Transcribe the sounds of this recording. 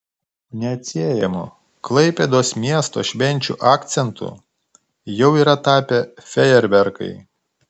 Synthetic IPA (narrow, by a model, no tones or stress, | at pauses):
nʲɛɐt̪ʲsʲeːjɛmʊ̰ | klˠɐɪpʲɛd̪oːsmʲiɛst̪o̰ːʃʲʋʲɛnʲt͡ʃʲṵːʔɑːkt̪sʲɛnt̪ʊ̰ | jɛʊiːɾɐt̪ɑːpʲɛfʲɛjɛɾʲbʲɛɾkɐ̰ɪ